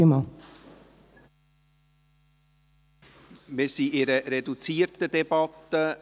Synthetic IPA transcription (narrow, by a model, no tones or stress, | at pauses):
əmɑ | mɪːɾsiːʔɪɾəɾedut͡siːɾtədɛbɑt̪ə